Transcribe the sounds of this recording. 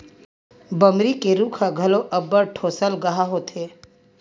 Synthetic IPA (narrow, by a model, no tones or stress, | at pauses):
bəmɾikeɾuːkʰaɡʱɐloʔɐbəɾʈʰoːsəlɡɐɦaɦot̪ʰeː